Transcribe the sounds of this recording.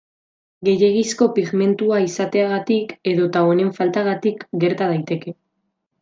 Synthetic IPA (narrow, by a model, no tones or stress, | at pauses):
ɡe̞je̞ɣisko̞piɣme̞nt̪uaisat̪e̞aɣ̞at̪ike̞ðo̞t̪ao̞ne̞ɱfalt̪aɣ̞at̪ikɡe̞ɾt̪aðajt̪e̞ke̞